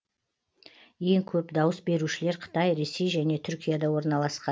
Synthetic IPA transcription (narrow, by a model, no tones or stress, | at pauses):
je̞ŋkʲʰɵpd̪ɑwəsbe̞ɾuʃɪle̞ɾqʰə̥t̪ɑjɾe̞se̞jʒæne̞t̪ʰʏɾkʲijad̪ɑwo̞ɾnɑlˠɑsqɑ